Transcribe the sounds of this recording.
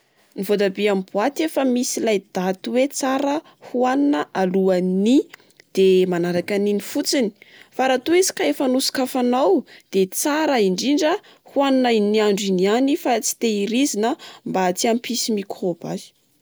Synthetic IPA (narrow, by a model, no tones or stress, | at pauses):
nivod̪abiamibwat̪efəmisilajd̪at̪uwet͡saɾə | huaninəʔaluani | d̪̥emanaɾakaninifut͡sini̥faɾat̪uezi̥kaefanusi̥kafanawd̪̥et͡saɾəiɳɖ͡ʐiɳɖ͡ʐə | huaninainiaɳɖ͡ʐinianifat͡si̥t̪eiɾizinəmbat͡siampʰisimikʰrob̥a̰zi̥